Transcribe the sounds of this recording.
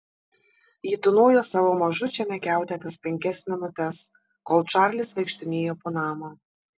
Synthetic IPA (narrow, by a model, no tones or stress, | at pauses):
jiːt̪ʊnoːjoːsɑːʋoːmɐʒʊt͡ʃʲɛmʲɛkʲæˑʊt̪ʲɛt̪ʲɐspʲɛŋʲkʲɛsmʲɪnʊt̪ʲɛs | koːlˠt͡ʃɑːɾʲlʲɪsʋʲɛɪkʃʲt̪ʲɪnʲeːjoːpoːnɑːmoː